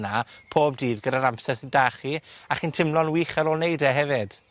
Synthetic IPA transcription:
napʰoːb̚diːvɡədaɾampsɛsəndaːχiaχintʰɪmlˠɔnwiːχaɾoːlˠnejdɛɦɛvɪd̥

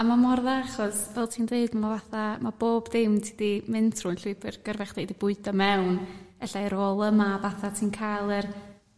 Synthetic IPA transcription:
amamɔrðaaχɔsvɛlˠtʰiːndeɨdmavaθamab̥oːbdɪmtʰɪdimɪntʰr̥ʊnɬɪpʰɨrɡ̥ərvɛχd̥ejdibʊɨdɔmɛwnɛɬajɾoːlˠəmavaθatʰiːnkʰajlˠɨr

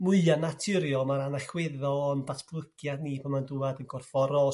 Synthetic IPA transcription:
mʊɨanatʰɪɾjɔmaɾanaɬwɪðɔɔndbatʰb̥ʰlˠəkʰjadnipʰɔmanduadənɡ̥ɔrfɔɾɔ

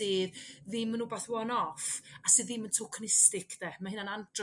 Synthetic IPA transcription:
ɨːððɪmənubaθwɔnɔfasɨːðiməntʰokʰnɪstɪkʰðɛmahɨnanandr

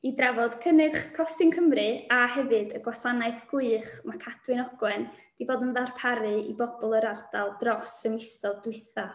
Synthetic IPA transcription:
idravɔd̥kʰənɨrχkʰɔsɪnkʰəmrɨahɛvɨdəɡwasanaɨθɡ̥ʊɨχmakʰad̥wɨnɔɡwɛn | d̥iboːdənðarpʰaɾɨibɔbɔlˠəɾard̥alˠdrɔsənɪstɔdʊɨθa

